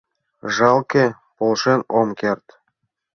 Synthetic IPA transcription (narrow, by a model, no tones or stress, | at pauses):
ʒɑlˠke | polʃenomkert̪